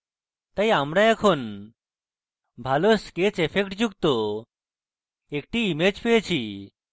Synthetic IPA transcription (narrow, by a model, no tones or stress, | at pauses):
t̪ajamɽãekʰon | bʱalosket͡sefʰekʈd͡ʑuɡ̚t̪o | ekʈiːmed͡ʑpet͡ɕʰi